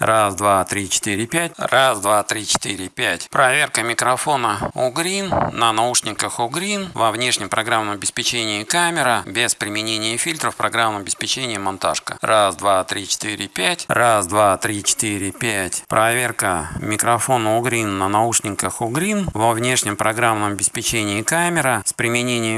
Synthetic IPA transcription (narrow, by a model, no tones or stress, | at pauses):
rasd̪vat̪ɾʲit͡ɕɪ̥t̪ɨɾʲɪpʲæt̚ʲrasd̪vat̪ɾʲit͡ɕɪ̥t̪iɾʲɪpʲætʲpɾɐvʲe̞rkəmʲɪkɾɐfo̞nəʊɡɾʲinːənauʂnʲɪkəxʊɡɾʲinvɐvnʲe̞ʂnʲɪmpɾɐɡɾamnəmɐbʲɪspʲɪt͡ɕenʲɪəkamʲɪɾəbʲespɾʲɪmʲɪnʲenʲɪjəfʲilʲt̪ɾəfpɾɐɡɾamːnəmɐbʲɪspʲɪt͡ɕenʲɪjəmant̪a̰ʂkə̰rasd̪vat̪ɾʲit͡ɕɪ̥t̪ɨɾʲɪpʲætʲrasd̪vat̪ɾʲit͡ɕɪ̥t̪iɾʲɪpʲætʲpɾɐvʲerkəmʲɪkɾɐfo̞nəʊɡɾʲinːənauʂnʲɪkəxʊɡɾʲinvɐvnʲe̞ʂnʲɪmpɾʔɐɡɾamnəmɐbʲɪspʲɪt͡ɕenʲɪɪkamʲɪɾəspɾʲɪmʲɪnʲenʲɪj